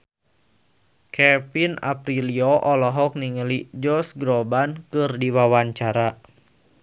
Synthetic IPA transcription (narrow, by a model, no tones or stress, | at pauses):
kɛpina̰pɾilioʔɔlɔɦɔk̚niŋəlid͡ʒɔsɡɾɔbankɨrdiwawaɲt͡ʃaɾa